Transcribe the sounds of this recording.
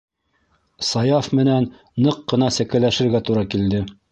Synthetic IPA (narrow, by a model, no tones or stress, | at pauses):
sɑjɑfmɘ̆nænː | ɤqːɤ̆nɑsæ̆kæ̆læʃɘ̆ɾɡæt̪uɾɑkild̪ɘ